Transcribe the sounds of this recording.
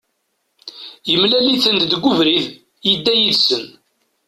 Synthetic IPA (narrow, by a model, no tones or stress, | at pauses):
jəmlæliθənd̪d̪ɡʷːʊvɾið | jəd̪ːæjiðsən